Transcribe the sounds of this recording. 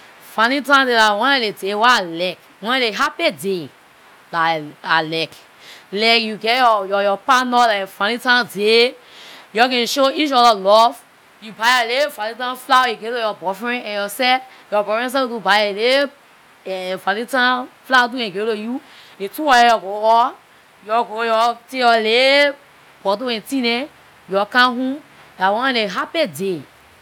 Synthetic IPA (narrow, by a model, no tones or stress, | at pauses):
fãnĩtãdelawɔ̃naledewalɛk | wɔ̃nɛ̃leɦapede | laalɛk | lɛkjuɡɛjɔjɔjɔpanɔlafãnĩtãde | jɔɡɛ̃nʃoit͡ʃɔdalɔf | jubaalefãnĩtãflawɛ̃ɡelojɔbɔfɹɛ̃nɛ̃njɔsɛ | jɔbɔfɛ̃ns̬ɛtubajale | ɛfãlĩtãflawtuɛ̃ɡeloju | etuwajejɔɡoɔ | jɔɡojɔteɔle | b̥ɔt̬oɛ̃tĩnɛ | jɔkãɦũ | dawɔ̃nãeɦapede